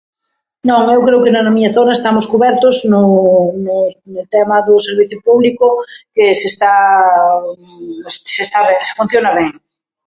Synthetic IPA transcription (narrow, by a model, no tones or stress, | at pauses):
nõŋewkɾeʊkenanamiɲaθonaest̪amoskuβɛɾt̪oznʊnenelt̪ɛmaðʊseɾβiθjʊpuβlikʊkesest̪a | ssest̪aβeŋse̥fũn̟θjonaβɛŋ